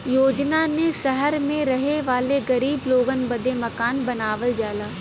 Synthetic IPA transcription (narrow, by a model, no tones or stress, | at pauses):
joːd͡ʒnanesɐɦəɾmẽɾɐɦeʋaːleɡɐɾiːbloːɡənbɐd̪emɐkaːnbɐnaːʋəld͡ʒaːlaː